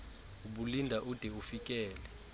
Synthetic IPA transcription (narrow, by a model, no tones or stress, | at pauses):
uɓulindʱaʔud̥ʱɛufik̬ʼɛːlɛ